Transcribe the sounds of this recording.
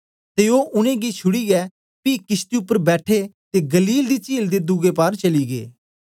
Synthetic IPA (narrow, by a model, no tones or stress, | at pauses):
t̪eːoːʔʊnẽːɡiːt͡ʃʰʊɽiːɡɛː | piːkɪst̪iːʊpːəɾbɛːʈʰeːt̪eːɡəliːld̪iːt͡ʃiːld̪eːd̪uɡeːpaːɾt͡ʃəliːɡḛː